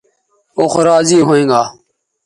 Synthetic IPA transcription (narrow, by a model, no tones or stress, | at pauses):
oːxɾaːziːɦoːẽːŋɡaː